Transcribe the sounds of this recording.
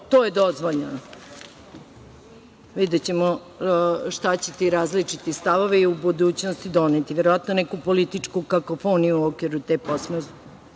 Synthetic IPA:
t̪oːjed̪ozʋoʎnan | ʋid̪et͡ɕemo | ʃt̪at͡ɕet̪iɾaːzlit͡ʂit̪ist̪aʋo̞ʋeiubud̪uːt͡ɕnost̪id̪onet̪iʋeɾoʋat̪nonɛkupolit̪it͡ʂkukakofonijuokeɾut̪eposme

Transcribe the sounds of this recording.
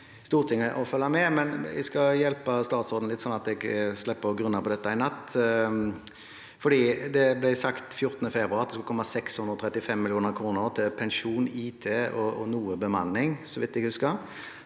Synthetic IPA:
st̪uːʁt̪ʰɪŋːəʔɔfœlːɑmɛmɛnæ̰skɑjɛlpəst̪ɑːt̪sɔɾd̪n̩lɪt̪sɔnɑt̪ɛɡslɛpːəɡɾʉnːəpʰɔd̪ɛt̪ːəɪnɑt̪ː | fɔɖiːd̪ɛblæɪsɑkt̪fjʊɾt̪ənəfɛbɾʉɑɾɑt̪d̪skʉlkɔmːɑsɛkshʉnd̪ɾəɔt̪ʰɾɛt̪ːɪfɛmːɪlɪuːnəɾkʰɾuːnəʁt̪ʰɪlpʰɛnʂuːniːt̪ʰeːɔɔnuːəbəmɑnːɪŋsɔʋɪt̪ːɛɡhʉskə

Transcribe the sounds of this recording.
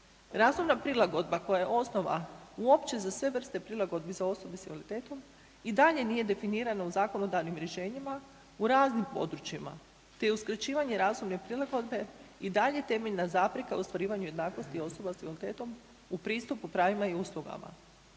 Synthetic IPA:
ɾaːzumnapɾilˠaɡo̞d̪bako̞jajeʔo̞sno̞ʋa̰uo̞pt͡ɕe̞zasʋe̞ʋr̩st̪e̞pɾilˠaɡo̞d̪̚bizao̞so̞besielit̪e̞ːt̪o̞m | id̪aʎe̞nije̞d̪e̞finiːɾanauzaːko̞no̞d̪aʋnimɾjeʃe̞ːɲima | uɾaːznimpo̞̰d̪ɾut͡ɕima̰ | t̪e̞juskr̩t͡ɕiːʋaɲe̞ɾaːzumnepɾilaɡo̞d̪be̞id̪aʎe̞t̪e̞meʎnazaːpɾikaust̪ʋaɾiːʋaɲuje̞d̪naːko̞st̪io̞so̞basiʋelit̪e̞ːt̪o̞m | upɾiːst̪upupɾaːʋimaiuːslˠuɡa̰ma̰

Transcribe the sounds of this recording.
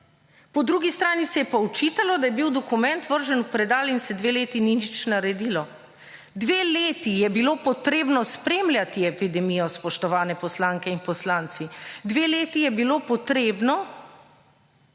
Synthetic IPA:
pɔd̪ɾuːɡist̪ɾaːnisɛjɛpɔwt͡ʃiːt̪alɔd̪ajɛbiwd̪ɔkumɛnt̪ʋəɾʒɛnupɾɛd̪aːlinsɛd̪ʋeːleːt̪ininit͡ʃnaɾɛd̪iːlɔ | d̪ʋeːleːt̪ijɛbiloːpɔt̪ɾeːbnɔspɾeːmlʲjat̪iɛpid̪ɛmiːjɔspɔʃt̪ɔʋaːnɛpɔslaːŋkɛinpɔslaːnt̪sid̪ʋeːleːt̪ijɛbiloːpɔt̪ɾeːbnɔ

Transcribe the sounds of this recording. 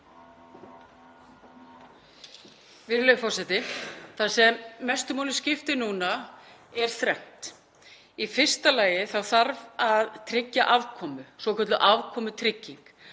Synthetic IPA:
vɪɾlœːɥjfɔrsɛt̪ɪθaðsɛmːɛst̪ʏmowlɪ̥scɪft̪ɪnuːna | ɛɾ̥θɾɛn̥t̪ | ifɪr̥st̪alaːjɪθawθaɾvaðt̪ʰɾɪcːaʔavkʰɔːmʏsvɔkʰœt̪lʏʔavkʰɔːmʏt̪ʰɾɪcːiŋk

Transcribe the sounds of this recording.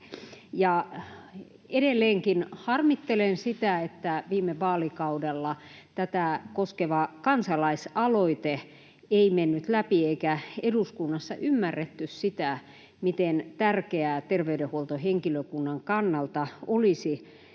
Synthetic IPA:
jɑ | edelːeːŋkinhɑrmit̪ːelensit̪æet̪ːæʋiːmeʋɑːlikɑudelːɑt̪æt̪æˑkoskeʋɑkɑnsɑlɑisɑloit̪e | eimenːyt̪læpieikæeduskunːɑsːɑ̰ʔymːærːet̪ːyssit̪æ | mit̪ent̪ærkeæt̪erʋeydehuolt̪oheŋkiløkunːɑŋkɑnːɑlt̪ɑolisi

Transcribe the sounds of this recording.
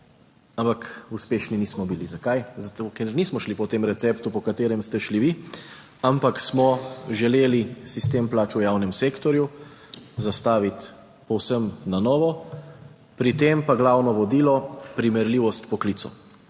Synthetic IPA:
ampakuspeːʃniniːsmɔbilizakajzat̪okɛɾnismɔʃlipɔt̪eːmɾɛt̪sɛpt̪upɔkat̪eːɾɛmst̪ɛʃliʋi | ampaksmɔʒɛleːlisist̪emplaːt͡ʃujawnɛmseːkt̪ɔɾju | zast̪aːʋit̪ | pɔwsəmnanɔːʋɔ | pɾit̪empaɡlawnɔʋɔd̪iːlɔpɾimɛɾliʋɔst̪pɔkliːt̪sɔ̰

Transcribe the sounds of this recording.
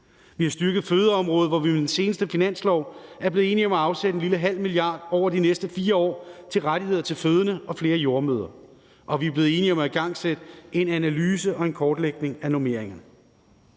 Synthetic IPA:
ʋihɑ̈sd̥yɐɡ̥ð̩ˠføːð̞ˠɐɒ̽mʁɔ̽ːð̞̩ˠʋɒʋimed̥ense̝ːnəsd̥əfinæn̰slɒʊ̰æɐb̥le̝ð̩ˠe̝ːniɒ̽mæɑ̈ʊsed̥enliləɦæl̰milijɑ̈ːd̥ɒʊ̰ɐd̥inesd̥əfiːɐɒ̰ːt͡sʰe̝lʁaɾ̥iheð̞̰ˠɐt͡sʰe̝lføːð̞ˠənəɒ̽fle̝ːɐjo̝ːɐmøːðˠɐ | ʔɒ̽ʋiæble̝ːð̞̩ˠe̝ːniɒ̽mæiɡ̥ɑ̈ŋ̰sed̥əe̝nænælyːsəʔɒ̽e̝nkʰɒːd̥leɡ̥ne̝ŋænome̝ɐ̰eŋn̩

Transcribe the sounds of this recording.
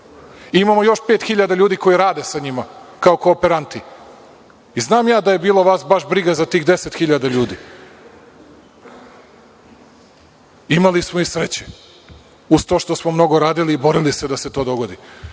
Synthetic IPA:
imamojo̞ʃpet̪xiʎad̪aʎuːd̪iko̞jiɾaːd̪esaɲimakaokoːpeɾant̪i | iznaːmjaːd̪aje̞biːloʋaːsbaʃbɾiɡazat̪iːxd̪e̞set̪xiʎad̪aʎuːd̪i | imalismoisɾet͡ɕe | uz̥t̪oʃt̪o̞smo̞mno̞ɡoɾaːd̪iliːbo̞ɾilise̞d̪aset̪o̞ːd̪o̞ɡo̞d̪i

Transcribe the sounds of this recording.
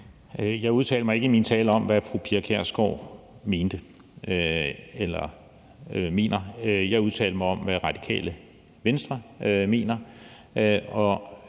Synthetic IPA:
øjɑ̈ɪuð̞ˠt͡sʰɛ̰ːldəmɑeɡəimint͡sʰɛːləɒ̽mʋæfʁupʰiɐkʰæɐ̰sɡ̥ɒʊ̰ | me̝ːnd̥ə | elɐ | me̝ːnɐjɑ̈ɪuð̞ˠt͡sʰɛ̰ːld̥əmɑ̈ɪɒ̽mʋæʁɑ̈d̥i̥kʰɛ̰ːlə | ʋensd̥ʁɐme̝̰ːnɐ | ɒ̽

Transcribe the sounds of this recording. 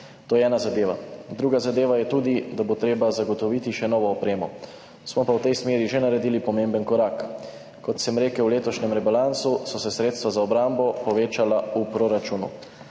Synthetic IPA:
t̪oːjɛɛːnazad̪eːʋad̪ɾuːɡazad̪eːʋajɛt̪uːd̪id̪abot̪ɾeːbazaɡɔt̪ɔʋiːt̪iʃɛnɔːʋɔːpɾeːmɔ | smɔpawt̪ɛjsmeːɾiʒenaɾɛd̪ilipɔmembənkɔɾak | kɔt̪sɛmɾeːkəwleːt̪ɔʃnɛmɾɛbalansusɔsɛsɾeːt̪st̪ʋazaɔbɾambɔpɔʋeːt͡ʃalaupɾoɾat͡ʃunṵ

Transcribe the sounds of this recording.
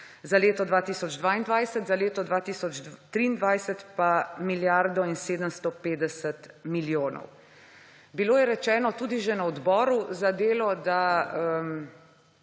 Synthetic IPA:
zaleːt̪ɔd̪ʋaːt̪iːsɔd͡ʒd̪ʋaːind̪ʋajsət̪zaleːt̪ɔd̪ʋaːt̪iːsɔt͡ʃt̪ɾiːnd̪ʋajsət̪pamiljaɾd̪ɔinseːd̪əmst̪opeːd̪ɛsət̪miljoːnɔ̰w | biloːjɛɾɛt͡ʃɛːnɔt̪uːd̪iʒɛnaɔd̪bɔːɾuzad̪eːlɔd̪aəm

